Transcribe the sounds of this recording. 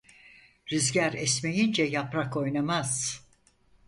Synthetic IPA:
ɾyzɟæɾɛsmejind͡ʒɛjapɾako̞jnamaz̥

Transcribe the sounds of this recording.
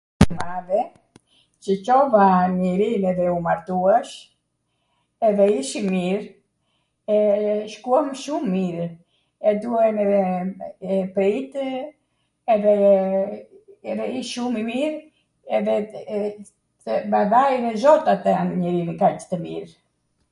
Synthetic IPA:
maðɛ | t͡ʃəcɔvamiɾinɛðɛumaɾt̪uɛʃ | ɛðɛiʃimiɾ | ɛʃkuamʃumːiɾ | ɛd̪uɛnɛɛɛpɾit̪ | ɛðɛ | ɛðɛiʃumimiɾ | ɛðɛ | əbaðajnɛzɔt̪at̪aɲəɾinkacə̥t̪əmḭɾ

